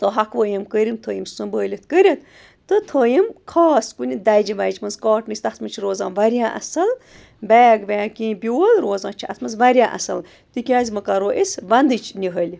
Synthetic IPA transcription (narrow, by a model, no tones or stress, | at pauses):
t̪ɨɦakʋəːjimkəɾʲimt̪ʰəːjimsɨmbəːlʲit̪kəɾʲɐt̪ | t̪ɨt̪ʰəːjimkʰaːskunʲid̪ajd͡ʒiʋajt͡ʃmɐnzkaːʈnɨsʲt̪asmɐt͡ʃʰiɾoːzãːnʋaɾʲjãːʔɐ̰sɐl | bɛːɡʋaːkʲĩːbʲolɾoːzãːt͡ʃʰiɐ̰t̪mɐnzʋɐɾʲjãːʔɐ̰sɐl | t̪ɨkʲaːzʲimɨkaɾoːʔesʋɐnd̪ɨt͡ʃʰnʲiɦəlʲ